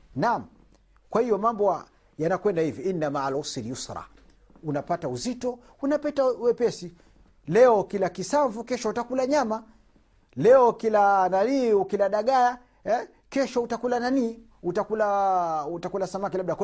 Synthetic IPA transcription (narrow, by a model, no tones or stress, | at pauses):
nam̩ | kwahijɔmambɔa | janakwɛndahivɔinːamalɔsiɾijusɾa̰ | unapatauzitɔ | unapɛtawɛpɛsi | lɛɔkilakisaɱvukɛʃɔutakulaɲama | lɛɔkilananiːukilaɗaɠaja | ɛ | kɛʃɔutakulananiː | utakulautakulasamakilaɓ̚ɗak